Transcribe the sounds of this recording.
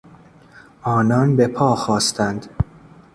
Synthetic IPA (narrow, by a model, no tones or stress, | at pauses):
ʔɒːnɒnbe̞pʰɒːxɒːst̪ʰænd̪̥